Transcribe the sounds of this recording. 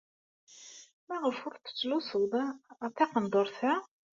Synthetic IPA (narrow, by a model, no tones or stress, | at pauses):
mæʁəfʊɾθə̥t͡sːlusˤəld̪ˤɑθɑqənd̪ˤoɾˤθæ